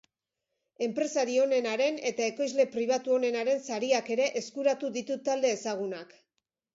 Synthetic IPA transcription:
e̞mpɾe̞saɾio̞ne̞naɾe̞ne̞t̪ae̞ko̞jzle̞pɾiβ̞at̪uo̞ne̞naɾe̞nsaɾiake̞ɾe̞ʔeskuɾat̪uðit̪ut̪ald̪e̞ːsaɣ̞unak

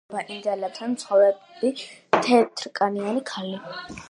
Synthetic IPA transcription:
baʔind̪ɛlɛt̪ʰansʰχɔwɛb̪ | it̪ʰɛt̪ʰɾkʼanianikʰali

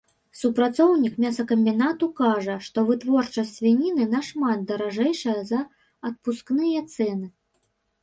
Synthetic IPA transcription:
supɾat̪sɔwnʲikmʲasɐkɐmʲbʲinat̪ukaʐɐʂt̪ɔvɨt̪vɔrt͡ʂɐsʲsʲvʲinʲinɨnɐʂmad̪̚d̪ɐɾaʐɛjʂɐjɐzɐ | ɐt̪̚pusknɨjɐt̪sɛnɨ

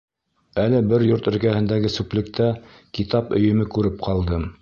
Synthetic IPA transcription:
ælɘbɘɾjoɾt̪ɵ̆ɾkæhɘ̆nd̪æɡɘsʉplʲɘ̆k̚t̪æ | kit̪ɑpɵ̆jɵ̆mɘkʉɾɘp̚qʰɑlˠd̪ɤm

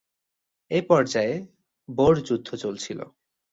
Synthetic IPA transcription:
epɔɾd͡ʑae | boɾd͡ʑud̪ʱːot͡ɕolt͡ɕʰilo̰

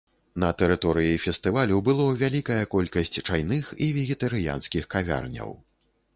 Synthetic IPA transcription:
nɐt̪ɛɾɨt̪ɔɾɨjifʲɛst̪ɨvalʲubɨlˠɔvʲalʲikɐjɐkɔlʲkɐsʲt͡sʲt͡ʂajnɨxivʲɛɣʲɛt̪ɐɾɨja̰nskʲixkavʲa̰rnʲɐ̰w

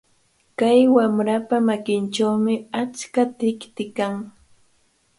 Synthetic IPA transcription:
kajwamɾapamakɪnʈ͡ʂawmɪat͡ʃkat̪ɪkt̪ɪkaŋ

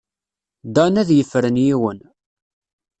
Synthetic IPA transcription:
d̪ɑnæðjəfːɾənjiwən

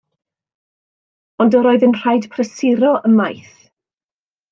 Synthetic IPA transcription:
ɔndəɾoːɨðənr̥ajd̥pʰrəsɪɾɔʔəmajθ

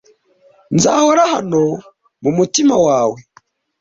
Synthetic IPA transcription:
nza̰ːhoɾaha̰no | mumutimawaːwe

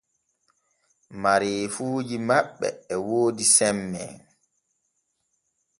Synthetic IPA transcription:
maɾeːfuːd͡ʒimaɓːɛ̰ɛwoːdisɛmːɛ̰

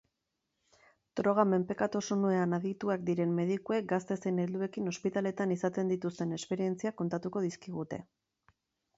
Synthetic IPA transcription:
t̪ɾo̞ɣ̞ame̞mpe̞kat̪o̞sonue̞anaðit̪uakd̪iɾe̞mme̞ð̞ikuek̚ɡast̪e̞se̞ne̞ld̪ue̞kino̞spit̪ale̞t̪anisat̪e̞nd̪it̪ust̪e̞ne̞spe̞ɾie̞nt͡siako̞nt̪at̪uko̞ðiskiɣ̞ut̪e̞̰

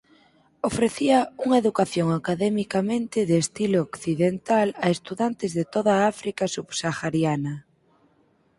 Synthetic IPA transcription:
ofɾeθiɐuŋɐeðukaθjoŋakaðɛmikamẽnt̪ɪðeːst̪ilookθiðent̪alaest̪uðant̪ɪzðet̪oð̞aafɾikasuβsaxaɾjanɐ

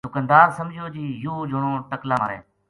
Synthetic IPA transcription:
d̪ʊkənd̪aːɾsəmd͡ʒʱjoːd͡ʒiːjuːd͡ʒoɳõːʈəklãːɾḛː

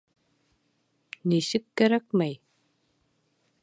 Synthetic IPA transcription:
nisɘkːæɾæk̚mæj

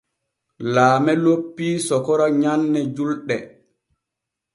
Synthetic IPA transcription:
laːmɛlopːiːsɔkɔɾaɲanːɛd͡ʒulɗɛ

